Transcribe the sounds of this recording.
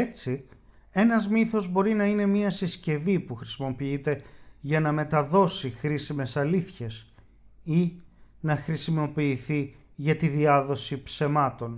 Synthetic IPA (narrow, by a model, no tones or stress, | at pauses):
et͡si | e̞nɐzmiθo̞zbo̞ɾinɐine̞miɐsisce̞vipuxɾi̥simo̞piit̪e̞ʝɐnɐme̞t̪ɐðo̞sixɾisime̞sɐliθçe̞s | inɐxɾisimo̞piːθi | ʝɐt̪iðiɐðo̞sipse̞mɐt̪o̞n